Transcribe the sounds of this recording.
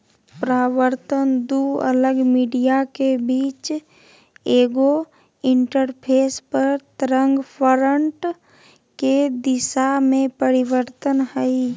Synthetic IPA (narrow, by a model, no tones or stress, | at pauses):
pɾaːwəɾt̪ənd̪uə̰ləɡmiːɖijakebiːt͡ʃ | eːɡo | ɪ̃ɳʈəɾpʰeːspəɾt̪ɾə̃ŋɡpʰɔɾəɳʈ | ked̪ɪʃamẽpəɾɪwəɾt̪ənhəi